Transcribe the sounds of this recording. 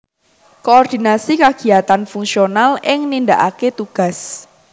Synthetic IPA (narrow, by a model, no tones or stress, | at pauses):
koːrd̪̥inasikaɡ̥i̤jat̪anfuŋsionalʔɪŋnind̪aʔaket̪uɡ̥a̤s